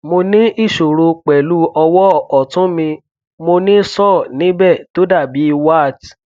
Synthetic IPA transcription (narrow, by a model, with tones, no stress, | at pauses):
mo˧nĩ˦i˦˨ʃo˨ɾo˧k͡pɛ˨lu˨˦ɔ˧wɔ˦ɔ˨tũ˨˦mĩ˧ | mo˧nĩ˦sɔ˦˨nĩ˦bɛ˦˨to˨˦da˦˨bi˨˦i˧wa˦˨t